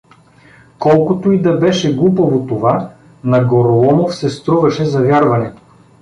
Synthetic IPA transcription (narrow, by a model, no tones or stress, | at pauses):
kɔlˠkot̪oid̪ɐbɛʃɛɡlˠupovot̪ova | nɐɡoɾolˠɔmofsɛst̪ɾuvɐʃɛzɐvʲjaɾvɐnɛt̪o̥